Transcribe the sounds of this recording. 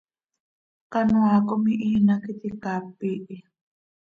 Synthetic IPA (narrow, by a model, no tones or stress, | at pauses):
qanʊakʊmɪʔiːnakɪt̪ɪkapiʔ